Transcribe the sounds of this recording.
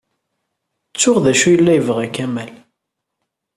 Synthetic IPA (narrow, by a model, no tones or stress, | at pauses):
t͡sːʊʁðæʃujəlːæjəvʁækæmæl